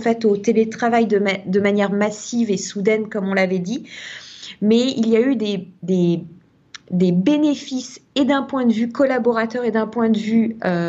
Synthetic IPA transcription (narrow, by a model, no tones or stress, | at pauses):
fɛt̪ot̪elet̪χavajd̪əmd̪əmanjɛʁmasivesud̪ɛnkɔmɔ̃lavɛd̪i | mɛiljayd̪ed̪e | d̪ebenefised̪ɛ̃pwɛ̃d̪əvykɔlabɔʁat̪œʁed̪ɛ̃pwɛ̃d̪əvyø